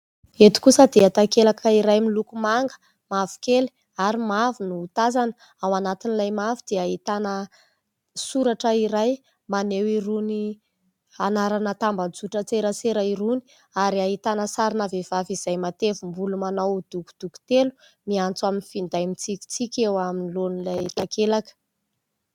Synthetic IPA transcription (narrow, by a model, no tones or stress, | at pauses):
et̪i̥kusəd̪eat̪akelakʰəiɾajmilukumaŋɡə̥ | mavu̥keli̥ | aɾimavunuːt̪azanə | awanat̪inilajmavid̪̥eaɦit̪anə | suɾaʈ͡ʂəiɾaj | manewiɾuni | anaɾanət̪ambad͡zuʈ͡ʂət͡seɾət͡seɾaiɾuni̥ | aɾiaɦit̪anəsaɾinavev̥aviz̥ajmat̪evumbulumanawd̪̥uku̥d̪̥uku̥t̪elu̥ | miant͡swaminifind̪ajmit͡sikʲi̥t͡sikʲewaminilonilajt̪akelakə̥